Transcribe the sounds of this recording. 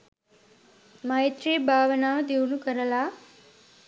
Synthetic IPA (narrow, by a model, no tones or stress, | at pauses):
mɐjt̪ɾiːbʱaːʋɐnaːʋd̪iunukəɾɐla